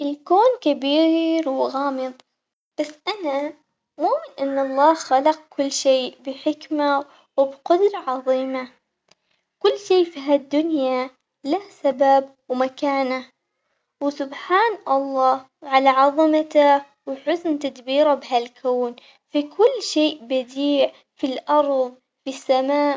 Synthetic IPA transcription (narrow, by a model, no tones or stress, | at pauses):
ʔɪlkoːnkabiːɾwɣaːmɨðˤ | b̥asːʔana | muːmɪnʔanːɑlˤːɑːxalɑq̚kʊlːʃeːbɪħɪkma | wɪbqʊd̪ɾɑʕɑðˤiːma | kʊlːʃeːfiɦad̪ːʊnjja | lahsababwmakaːna | wɪsʊbħaːnʔɑlˤːɑː | wʕalaʕɑðˤɨmat̪a | wɪħʊsnt̪ad̪biːɾabɪɦalkʰoːn | fikʰʊlːʃeːʔbad̪iːʕ | filʔɑɾˤðˤ | fisːamaː